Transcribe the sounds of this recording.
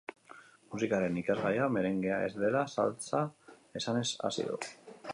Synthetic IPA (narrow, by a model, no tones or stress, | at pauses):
musikaɾe̞nikazɣajame̞ɾe̞ŋɡeae̞̰zd̪e̞lasa̰lt͡sa | e̞sane̞sa̰sḭðṵ